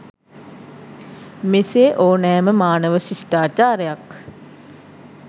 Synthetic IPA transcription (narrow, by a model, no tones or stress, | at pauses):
meseʔoːnɛːməmaːnəʋəsisʈaːt͡ʃaːɾəjak